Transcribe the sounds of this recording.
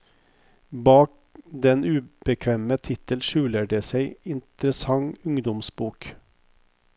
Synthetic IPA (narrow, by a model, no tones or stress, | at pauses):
bɑːk̚d̪ɛnʉːb̥əkʰʋeːmət̪ʰɪt̪əlʃʉːləɖeːseɪɪnt̪ɾəsɑŋʊŋd̪ɔmsbuːk